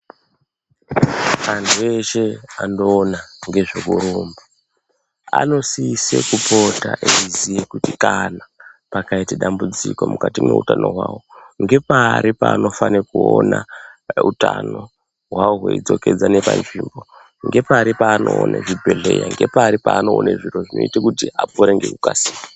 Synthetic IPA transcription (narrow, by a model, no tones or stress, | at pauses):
mantʰue̞ʃeanoːnaŋɡe̞ʐokuɾuːmba | ano̞siisḛkupo̞taʔeizijekutikanapakaiteɗambud͡ziko̞mukatimeutano̞ɦwawo̞ŋɡe̞paːɾipaːno̞fanekuonautano̞ | ɦwawoɦweid͡zo̞ke̞d͡zane̞pa̰nʐiːmbo̞ | ŋɡe̞paɾipaːno̰ːneʐibʱe̞ɮe̞jaŋɡe̞paːɾipaːnoːneʐiroʐino̞̰itakutiapoɾeŋɡe̞kukasiːwa